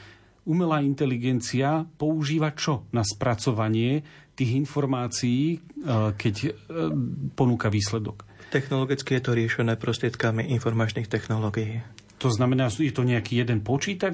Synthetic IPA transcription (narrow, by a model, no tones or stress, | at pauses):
umɛlaːint̪ɛliɡɛnt͡siapɔuʒiːʋat͡ʃɔnaspɾat͡sɔʋaɲɪɛt̪iːɣinfɔɾmaːt͡sijiːkɛc | pɔnuːkaʋiːslɛd̪ɔkt̪ɛxnɔlɔɡit͡skijɛt̪ɔɾɪɛʃɛnɛːpɾɔst̪ɾɪɛt̪kamiʔinfɔɾmaːt͡ʃniːxt̪ɛxnɔlɔɡijiːt̪ɔznamɛnaːjɛt̪ɔɲɛakiːjɛd̪ɛnpɔt͡ʃiːt̪ad͡ʒ